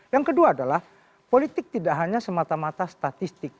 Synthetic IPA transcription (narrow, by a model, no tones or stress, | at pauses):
jaŋkəduaːdalah | polit̪ɪk̚t̪idaʔɦaɲasəmat̪amat̪ast̪at̪ist̪ɪk̚